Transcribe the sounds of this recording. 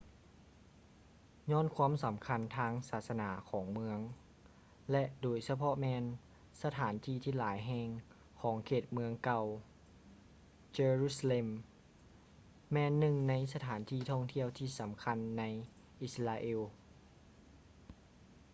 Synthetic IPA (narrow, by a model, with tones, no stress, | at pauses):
ɲɔː˧˥˨nkʰwaː˧˥˨msa˩˦mkʰa˧˨nt̪ʰaː˧˥ŋsaː˨˩t̪̚sa˧naː˩˦kʰɔː˩˦ŋmɯ˧əŋ | lɛ˧ʔdoː˩jsa˧pʰɔ˧mɛː˧n | sa˧t̪ʰaː˩˦nt̪ʰiː˧˨t̪ʰiː˧˩˨laː˩˦jɦɛː˧ŋ | kʰɔː˩˦ŋkʰeː˧˩t̪̚mɯ˧əŋka˧˩w | t͡ɕeː˧ɾuː˧˩sa˧le˧m | ɛː˧nːɯ˧˩ŋna˧˥jsa˧t̪ʰaː˩˦nt̪ʰiː˧˩t̪ʰɔ˧˩ŋt̪ʰi˧əwt̪ʰiː˧˩sa˩˦mkʰa˧˥nːa˧˥j | ʔi˧sla˧ʔeː˧˨w